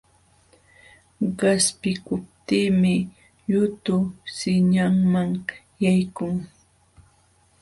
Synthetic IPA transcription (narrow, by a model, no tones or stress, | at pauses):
ɢɑspɪkʊp̚t̪iːmɪ | ʎʊt̪ʊsɪɲaŋmaŋ | jajkʊŋ